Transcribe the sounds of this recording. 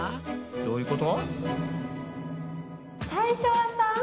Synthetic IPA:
d̪oːjɯ̟kot̪o | saiɕowasã

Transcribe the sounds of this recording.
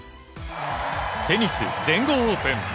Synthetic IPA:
t̪e̞ɲʲisɨ̰zẽ̞ŋɡoːopẽm

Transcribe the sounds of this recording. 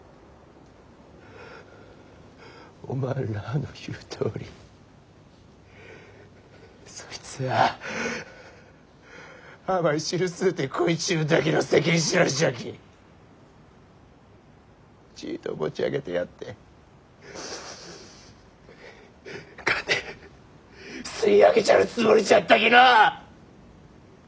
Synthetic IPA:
o̰mananoçɯːt̪ʰoːɾʲi | soit͡sɨa | amaiɕiɾɯsɨːt̪ekʰoit͡ɕɨːd̪ak̬ʲinosek̬ʲĩɕ̬iɾaɕiak̬ʲi | t͡ɕḭːt̪o̰ɡo̞̰t͡ɕia̰ɡe̞t̪e̞jat̪ːe̞ | kat̪e | sɨiaɡe̞t͡ɕaɯ̟t͡sɨmoɾʲit͡ɕat̪ːakʲina

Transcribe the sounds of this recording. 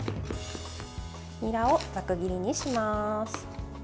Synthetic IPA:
mʲiɾaod͡zakɯ̟ɡʲiɾʲiɲ̟iɕimasɨ̥

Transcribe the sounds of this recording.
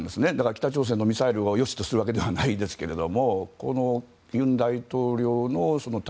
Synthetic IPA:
nd̪e̞sɨne̞d̪akaɾakʲi̥t̪at͡ɕo̞ːs̬e̞nːo̞mʲisaiɾɯ̟ojo̞ɕi̥t̪o̞sɨɾɯβake̞d̪e̞βanaid̪e̞sɨ̥ke̞ɾe̞d̪o̞mo̞ko̰no̞ | jɯ̟̃nd̪ait̪o̞ːɾʲo̞ːno̞so̞no̞t̪

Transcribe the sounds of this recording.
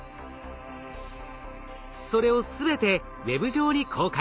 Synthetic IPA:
so̞ɾe̞o̞sɨbe̞t̪e̞ | βe̞bɯ̟ʑo̞ːɲ̟ikʰo̞ːka

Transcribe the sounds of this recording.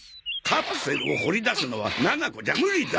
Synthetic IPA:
kʰapɯ̥seɾɯoho̞ɾʲid̪asɨno̞βa̰nanakod͡ʑamɯɾid̪a

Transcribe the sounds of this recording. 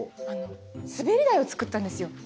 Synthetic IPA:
ano̞ | sɨbe̞ɾʲid̪aio̞t͡sɨ̥kɯ̟t̪ːãnd̪esɨjo̞

